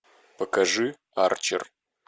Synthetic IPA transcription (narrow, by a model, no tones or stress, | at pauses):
pəkɐʐɨ | art͡ʃɪ̰r